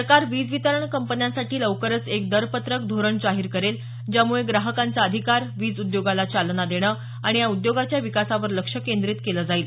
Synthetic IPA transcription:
səɾkaɾʋiːd͡zʋit̪əɾəɳkəmpənjasaʈiːləʋkəɾət͡sek̚d̪əɾpət̪ɾək̚d̪ʱoɾəɳd͡zaɦiːɾkəɾel | d͡ʑjamuɭeɡɾaɦəkant͡saəd̪ʱikaɾʋiːd͡zud̪joɡalat͡ɕalnad̪eɽ̃əː | aɽ̃ijaud̪joɡat͡ɕjaʋikasaʋəɾləkʂəkend̪ɾit̪keləd͡zaiːl

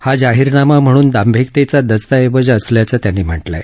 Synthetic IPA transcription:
had͡ʑaɦiɾnamam̤əɽ̃uːnd̪ambʱek̚t̪et͡sad̪əst̪aeʋəd͡ʑːsljat͡sat̪janːim̤əʈla̰

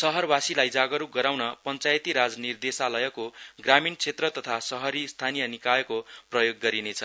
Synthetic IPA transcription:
sʌɦʌrbasilajd͡zaɡʌɾuɡʌɾawnʌpʌnt͡sajt̪iɾad͡znird̪esalʌjʌkoɡramint͡sʰet̪rʌt̪ʌt̪ʰasʌɦʌɾist̪ʰanijʌnikajekoprʌjoɡːʌɾinet͡sʰʌ

